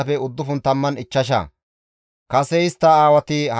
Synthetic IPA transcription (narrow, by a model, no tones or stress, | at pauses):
ɐfɛʊd̪ːʊfʊnt̪ɐmːɐnɪt͡ʃːɐʃɐ̰ | kɐsɛɪst̪ːɐaːwɐt̪ɪhɐ